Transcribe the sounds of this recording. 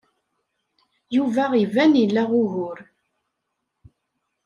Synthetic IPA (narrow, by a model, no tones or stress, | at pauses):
juvæʁivænilːæʁʊɦʊɾ